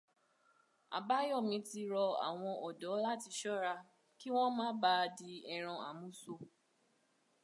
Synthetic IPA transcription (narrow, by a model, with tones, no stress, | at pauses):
a̰˨ba˨˦jɔ˦˨mĩ˨˧˦ti˧ɾɔ˧a̰˨w̃ɔ̃˧ʔɔ˨dɔ˨˦la˦ti˧˦ʃɔ˦ɾa˧ | ki˦w̃ɔ̃˦mãː˦ba˦˧di˧ɛ˨ɾ̃ɔ̃˧a˨mũ˨˦so˧